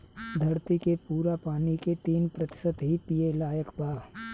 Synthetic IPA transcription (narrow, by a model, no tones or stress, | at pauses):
d̪ʱɐɾt̪ikepuːɾapaːniket̪iːnpɾɐt̪ɪ̥sət̪ɦipijelaːjəkbaː